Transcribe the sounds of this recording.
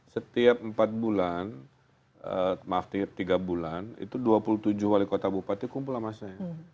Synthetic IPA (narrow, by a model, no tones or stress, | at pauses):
sət̪iap̚mpat̪̚bulan | əmaft̪iap̚t̪iɡabulanḭt̪uduapuluht̪ud͡ʒʊhwalikot̪abupat̪ikumpulamasaɲa